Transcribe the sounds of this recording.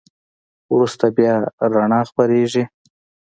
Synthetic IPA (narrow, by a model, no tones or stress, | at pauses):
wɾust̪abjɑɾaɳɑxpaɾeʒi